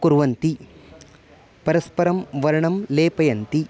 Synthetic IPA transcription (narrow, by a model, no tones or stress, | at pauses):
kuɾʋɐnt̪i | pɐɾɐspɐɾɐmʋɐɾɐɳɐmleːpɐjɐnt̪i